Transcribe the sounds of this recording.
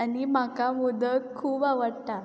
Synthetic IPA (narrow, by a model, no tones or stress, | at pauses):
animakamud̪ʱəkʰuːbaʋəɽt̪a